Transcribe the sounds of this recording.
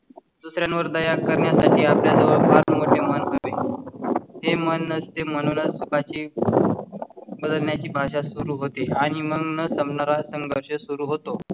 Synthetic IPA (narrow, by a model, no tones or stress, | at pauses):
d̪usɾjãnʋəɾd̪əjakəɾɳjasaʈʰiːapljasəʋəɭpaɾnmoʈʰemənkəʋe | ɦemənːəst̪em̤əñuːnət͡ssukat͡ɕiː | bəd̪əlnjat͡ɕiːbʱaʂasuɾuɦot̪eaɽ̃iməɡnəsəmpnaɾasəŋɡʱəɾɕəsuɾuːɦot̪o